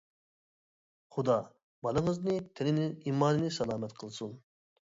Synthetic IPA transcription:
χud̪ɑ | bɑlˠɨŋɨznɨt̪ʰɪnɪnimːɑːnɨnɪsɑlˠɑːmɛt̪qʰəlˠsun

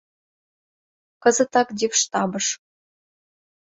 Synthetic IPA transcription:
kɤ̆zə̆t̪ɑkd̪ʲepʃt̪ɑbɤ̆ʃ

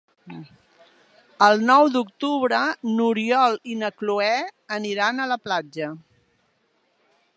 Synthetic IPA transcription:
əlˠnɔwd̪ukt̪uβɾənuɾiɔlinəkluɛəniɾanələplad͡ʒə

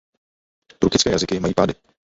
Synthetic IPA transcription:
t̪ɾukɪt͡skɛːjazɪkɪmajiːpaːdɪ

